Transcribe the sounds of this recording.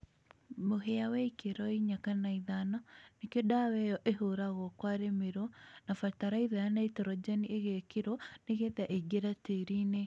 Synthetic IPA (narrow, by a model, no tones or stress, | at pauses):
moɦeawɛikeɾɔiɲakanaiðanɔnekedawɛjɔʔeɦoɾaɣɔkwaɾemeɾonafataɾaiðajanaitɛɾɔd͡ʒɛnieɣekeɾɔneɣeðaʔeɡeɾateɾine